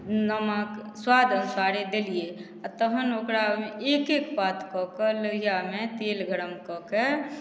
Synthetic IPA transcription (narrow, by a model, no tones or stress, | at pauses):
nəməkswad̪ʱəsaɽed̪elie | at̪əɦənokɾameʔekekpat̪kɔkeləɦijamet̪elɡʱəɽəmkɔke